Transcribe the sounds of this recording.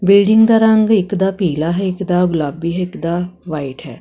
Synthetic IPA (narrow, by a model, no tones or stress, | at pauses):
bɪlɖɪ̃ŋɡd̪aɾãŋɡɪkd̪apiːlaɦɛɪkd̪aɡʊlabiɦɛɪkd̪aʋaiʈɦɛː